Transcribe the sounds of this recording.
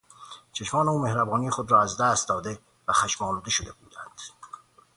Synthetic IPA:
t͡ʃʰeʃmɒːneuːmehɾæbɒːnijexod̪ɾɒːæzd̪æːst̪̚d̪ɒːd̪e̞ | væxæʃmɒːluːd̪e̞ʃod̪e̞bṵːd̪ænd̪̥

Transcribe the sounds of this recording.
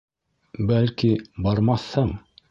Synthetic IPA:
bælkibɑɾmɑθhɤɴ

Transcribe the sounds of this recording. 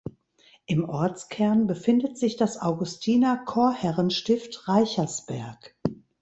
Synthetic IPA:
ʔɪmʔɔɐt͡skʰɛɐnbəfɪndətz̥ɪçd̥asʔaʊɡʊstʰiːnɐkʰoːɐhɛʁənʃtɪftʁaɪçɐsb̥ɛɐk

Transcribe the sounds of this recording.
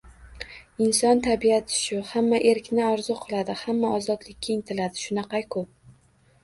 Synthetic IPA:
ɪnsɒnt̪ʰabiat̪ʰɪ̥ʃʊhamːaʔe̞ɾkʲnɪɒɾzʊqʰɨlˠad̪ɪhamːaɒzɒd̪lɪkʲːaɪŋt̪ʰɪlad̪ɪʃʊnɑqɑjkʰʊp̚

